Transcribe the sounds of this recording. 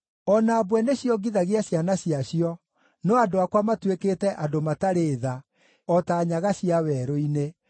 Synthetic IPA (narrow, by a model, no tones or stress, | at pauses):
ɔnaːbwɛneɕjɔɡiðaɣiaɕjanaɕiaɕiɔ | nɔadoakwamatweketɛʔadomataɾeːða | ɔtaːɲaɣaɕiawɛɾoine